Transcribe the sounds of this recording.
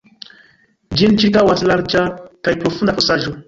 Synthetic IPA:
d͡ʒint͡ʃikawaslaɾd͡ʒakajpɾofund̪aposaʒu

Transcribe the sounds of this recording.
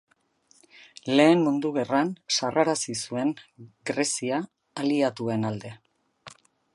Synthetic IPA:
le̞ːmmund̪uɣe̞ransarʔaɾasisue̞ŋɡɾe̞siaː | liat̪ue̞nald̪e̞

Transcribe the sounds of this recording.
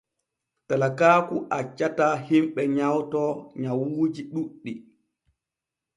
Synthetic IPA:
talakaːkuʔat͡ʃːatahimɓɛɲawtɔɲawuːd͡ʒiɗuɗːi

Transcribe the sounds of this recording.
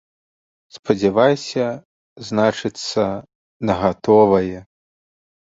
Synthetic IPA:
spɐd͡zʲɛvajsʲɐ | znat͡ʂɨt̪sːɐ | nɐɣat̪ɔvɐjɛ

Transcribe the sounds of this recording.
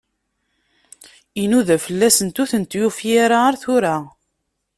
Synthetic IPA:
inuðæfəlːæsənt̪uθənt̪jufjaɾaaɾθʊɾa

